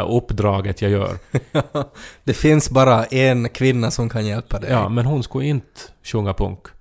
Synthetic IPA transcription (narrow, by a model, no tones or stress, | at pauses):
ʔɵpːd̪ɾɑːɡət̪ʰjajœ̰ːɾɑd̪̥ɛfɪnsbɑːɾaʔɛnkʰʋɪnːasɔmkʰɑnjɛlpʰad̪ɛɑ̰ːmɛnɦʊnskaɪnt̪ə̥ɕɵŋːapʰɵ̰ŋk